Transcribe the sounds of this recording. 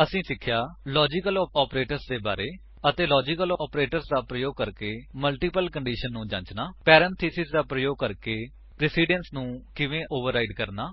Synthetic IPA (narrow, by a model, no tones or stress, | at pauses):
əsĩːsɪkʰːjaːlɔːd͡ʒɪkəlɔːpɾeːʈəɾsd̪eːba̰ːɾeː | ət̪eːlɔːd͡ʒɪkəlɔːpɾeːʈəɾsd̪aːpɾəjoːɡ̚kəɾkeːməlʈiːpəlkəɳɖiːʃənːũːd͡ʒã̰ːt͡ʃnaːpɛːɾəɳt̪ʰiːsɪsd̪aːpɾəjoːɡ̚kəɾkeː | pɾɪsiːɖənsnũːkɪʋẽːʔoːʋəɾːaːiɖkəɾnaː